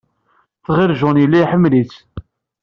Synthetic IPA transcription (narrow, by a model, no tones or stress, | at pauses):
θʁɪɾʒʊnjəlːiħəmːlit͡sː